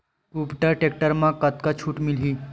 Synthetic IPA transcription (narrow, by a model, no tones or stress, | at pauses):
kupʈaʈek̚ʈəɾmãkat̪kat͡ɕʰuːʈmilɦiː